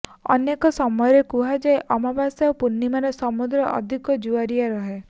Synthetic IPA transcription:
ɔ̰nekɔsɔmɔjɔɾekuɦad͡ʒajʔɔmabasaopunːimanesɔmud̪ɾɔʔɔ̰d̪ʱikɔd͡ʒuaɾijaɾɔɦe

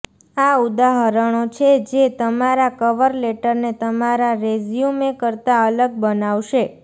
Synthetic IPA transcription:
aud̪aɦəɾəɳ̃ot͡ʃʰed͡ʒet̪əmaɾakəʋəɾleʈəɾnet̪əmaɾaɾezjumekəɾt̪aələɡ̚bənaʋʃe

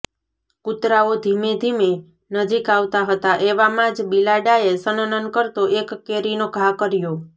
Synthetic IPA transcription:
kut̪ɾaod̪ʱimed̪ʱime | nəd͡ʒikaʋt̪aɦət̪aʔeʋamãd͡ʒbilaɖaesənənənkəɾt̪oʔekːeɾinoɡʱakəɾjo

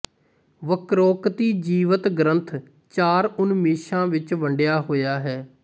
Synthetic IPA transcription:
ʋəkɾɔːkt̪iːd͡ʒiːʋət̪ɡɾənt̪ʰ | t͡ʃaːɾʊnmeːʃãːʋɪt͡ʃʋəɳɖɪjaːɦoːjaːɦɛː

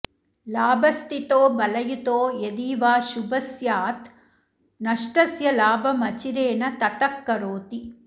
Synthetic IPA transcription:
laːbɐst̪it̪oːbɐlɐjut̪oːjed̪iːʋaːʃubɐsjaːt̪ | nɐʂʈɐsjɐlaːbʱɐmɐt͡ʃiɾeːnɐt̪ɐt̪ɐkːɐɾoːt̪i

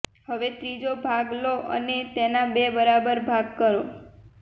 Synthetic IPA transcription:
həʋet̪ɾid͡ʒobʱaɡloʔə̰net̪enabebəɾabəɾbʱaɡkəɾo

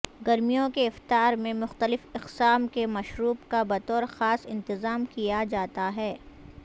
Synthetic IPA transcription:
ɡɐɾmijõkeɪft̪aːɾmẽmʊxt̪əlɪfɪqsaːmkemɐʃɾuːbkabɐt̪ɔːɾxaːsɪ̃nt̪ɪzaːmkijad͡ʒaːt̪aɦɛː

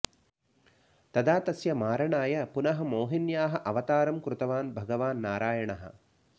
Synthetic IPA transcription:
t̪ɐd̪aːt̪ɐsjɐmaːɾɐɳaːjɐpunɐɦɐ̆moːɦinjaːɦɐʔɐʋɐt̪aːɾɐmkɾut̪ɐʋaːnbʱɐɡɐʋaːnːaːɾaːjɐɳɐɦɐ̰̆

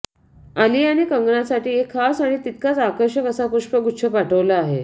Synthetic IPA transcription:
aliːaɽ̃ikəŋɡɳasaʈiːekʰːasaɽ̃it̪it̪kat͡sakəɾɕəkəsapuɕpəɡuɕʰəpaʈʰəʋlaaɦe

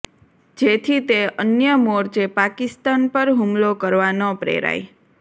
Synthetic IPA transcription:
d͡ʒet̪ʰit̪eənjəmoɾt͡ʃepakist̪anpəɾɦumlokəɾʋanopɾḛɾa̰j

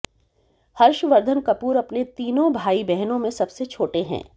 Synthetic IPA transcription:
hɐɾʃʋɐɾd̪ʱənkɐpuːɾɐpnet̪iːnõbʱaːibɛɦnõmẽsɐbset͡ʃʰoːʈeɦɛ̰̃ː

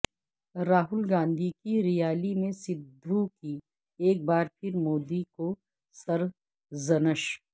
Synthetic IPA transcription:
ɾaːɦʊlɡãːnd̪ʱikiɾɪjaːlimẽsɪbd̪ʱːuki | eːk̚baːɾpʰɪɾmoːd̪iko | sɐɾ | zɐnəʃ

